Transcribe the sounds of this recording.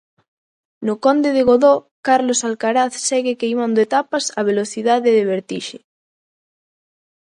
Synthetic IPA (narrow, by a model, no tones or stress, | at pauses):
nʊkond̪eðeɣoðo | kaɾlosalkaɾaθsɛɣekejmand̪oet̪apasaβ̞eloθiðaðeðeβeɾt̪iʃe